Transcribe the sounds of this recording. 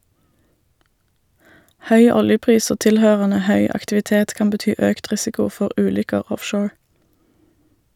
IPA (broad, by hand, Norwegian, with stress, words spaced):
ˈhœʏ ˈɔljəˌpʁiːs ˈoː ˈtɪlhøːʁənə ˈhœʏ ɑktɪʋɪˈteːt ˈkɑːm bəˈtyː ˈøːkt ˈʁɪsɪkʊ ˈfɔʁ ˈʔʉːlʏkəʁ ˈɔfʃoːɹ